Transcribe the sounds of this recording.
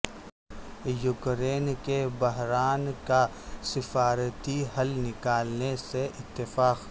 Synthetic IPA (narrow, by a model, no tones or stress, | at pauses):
jʊkɾeːnkebɐɦɾaːnka | sɪfaːɾt̪iɦɐlnɪkaːlneseʔɪt̪ːɪfaːq